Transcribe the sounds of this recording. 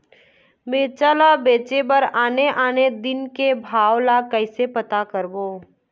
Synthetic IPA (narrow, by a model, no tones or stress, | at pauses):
beːt͡ʃaːlabeːt͡ʃebəɾaːneʔaːned̪ɪnkebʱaːwlakəɪsepət̪akəɾboː